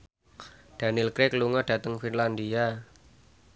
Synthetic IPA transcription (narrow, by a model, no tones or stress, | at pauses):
d̥a̤nɪlkɾɪkluŋɔd̥ä̤t̪əŋfinland̪ia